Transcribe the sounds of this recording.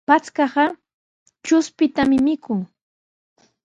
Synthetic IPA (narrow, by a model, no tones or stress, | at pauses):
pat͡skɑɢɑ | t͡ʃʊspɪt̪amɪmɪkʰʊŋ